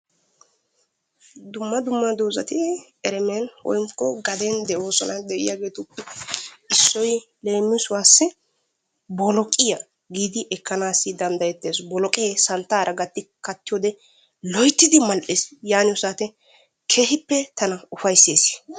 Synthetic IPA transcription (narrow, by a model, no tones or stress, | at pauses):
d̪ʊmːɐd̪ʊmːɐd̪oːzɐ̰t̪ɪ | ɛɾɛmenwɔ̰jŋkːɔɡɐd̪ɛnd̪ɛʔo̞ːsɔnɐnd̪ɛʔɪjaːɡe̞ːt̪ʊpːɛɪsːɔj | le̞ːmːɪsʊwaːsːɛ | bɔlɔkʼɪjɐ | ɡiːd̪ɪʔɛkːɐnaːsːɪd̪ɐnd̪ɐjɛt̪ːeːsbɔlɔkʼeːsɐnt̪ːaːɾʔɐɡɐt̪ːɪkɐt̪ːɪjoːd̪ɛ | lɔjt̪ːɪd̪ɪmɐlʔeːsjaːnɪʊsaːt̪ɛ | kʰe̞ːhɪpːɛt̪ʰɐnɐʊfɐjsːeːsɪ̥